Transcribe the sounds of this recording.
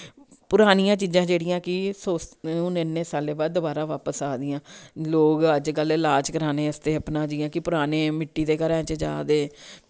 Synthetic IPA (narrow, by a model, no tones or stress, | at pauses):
pʊɾaːnɪjãːt͡ʃiːzãːd͡ʒeːɽɪjãːkɪsoːsʊnenːẽːsaːleːbaːd̪̚d̪ʊbaːɾaːʋaːpəsaːd̪ɪjãːloːɡəd͡ʒkəllaːd͡ʒkəɾaːneːəst̪eːəpnãːd͡ʒiːãːkɪpʊɾaːneːmɪʈːiːd̪eːkəɾɛ̃ːt͡ʃəd͡ʒa̰ːd̪eː